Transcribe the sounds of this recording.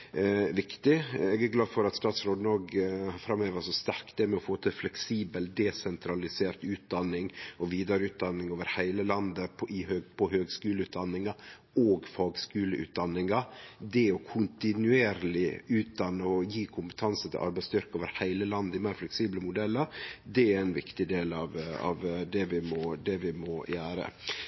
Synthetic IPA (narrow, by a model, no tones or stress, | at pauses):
ʋɪkt̪ɪɛɡæɾɡlɑːd̪fɔɾɑt̪st̪ɑːt̪sɾoːd̪noːɡfɾɑmøːʋəsɔst̪æɾk̪d̪ɛmɛɔfoːt̪ʰɪlflɛksiːbəld̪ɛsɛnt̪ʰɾɑlɪseːɾt̪ʉːt̪̚d̪ɑnːɪŋɔʋiːd̪ɑɾəʉːt̪̚d̪ɑnːɪŋoːʋəɾhæɪləlɑnd̪əpʰʔɪhøːɡpʰɔhøːɡskʉːləʉːt̪̚d̪ɑnːɪŋɑ | oːɡfɑːɡskʉːləʔʉ̰ːt̪̚d̪ɑnːɪŋɑd̪ɛɔkʰʊnt̪ɪnʉeːɾlɪʉːt̪̚d̪ɑnːəɔjiːkʰʊmpət̪ʰɑnsət̪ʰɪ̰ʔɑ̰ɾbæɪst̪ʰʏɾkoːʋəɾhæɪləlɑnd̪ɪmæːɾflɛksiːbləmʊd̪ɛlːəɾd̪ɛæɾæɪnʋɪ̰kt̪ɪd̪eːlɑʋɑ̰ʋd̪ɛʋɪmɔd̪ɛʋɪmɔjæːɾə̰